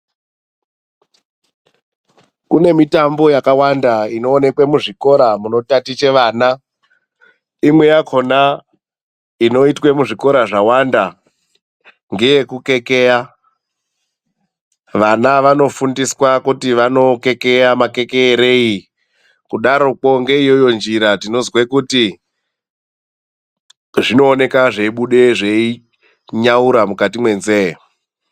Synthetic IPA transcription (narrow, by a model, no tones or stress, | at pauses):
kune̞mitambo̞jakawandaino̞ːne̞kwemuʐiko̞ɾamuno̞tatit͡ʃe̞ʋaːna | imwe̞jakʰo̞na | ino̞itwe̞muʐiko̞ɾaʐawanda | ŋɡe̞je̞kuke̞ke̞ja | ʋanaʋano̞fundiswakutiʋano̞ke̞ke̞jamake̞keːɾei | kuɗaɾo̞k͡po̞ŋɡe̞ijojo̞nd͡ʒiɾatino̞zwekuti | ʐino̞ːne̞kaʐeiɓuɗe̞ʐei | ɲauɾamukatimwe̞nze